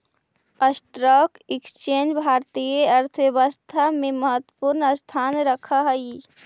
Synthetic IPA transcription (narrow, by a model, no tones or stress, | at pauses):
əsʈɾɔːkɪkst͡ʃeːnd͡ʒbʱaːɾt̪ijeɐɾt̪ʰʋeʋəst̪ʰamẽməɦət̪wəpuɾnəst̪ʰaːnɾəkʰaɦəi